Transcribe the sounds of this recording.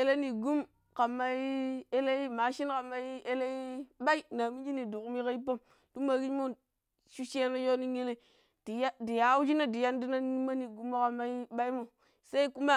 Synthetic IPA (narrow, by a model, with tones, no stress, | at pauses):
e˨˦le˦ni˨ɡu˦m | ka˨ma˦i˦e˦le˦i˦ma˨ʃi˦nka˨ma˦i˦e˦le˦i˦ɓa˦i˦na˨mi˦d͡ʒi˦ni˨du˨ku˦mi˦ka˦i˦pa˦m | du˦ma˨ki˦mo˦ | ʃu˦ʃe˦na˦jo˦ni˦ŋe˦le˦ | d̥i˨ja˦di˨ja˨˦u˦d͡ʒi˦na˦di˨ja˦ndi˦na˦i˦ma˦ni˨ɡu˦mːo˦ka˨ma˦i˦ɓa˦i˦mo˨ | sa˦i˦ku˦ma˦